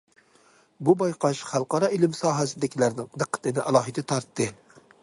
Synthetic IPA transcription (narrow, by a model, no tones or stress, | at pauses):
bubɑjqʰɑʃχælˠqɑɾɑɪlɪmsɑːɦæsɪd̪ɪkʲilæɾnɪŋd̪ɨqʰːə̥t̪ʰɨnɪʔɑlˠɑːɦɨd̪ɛt̪ʰɑɾt̪ːɨ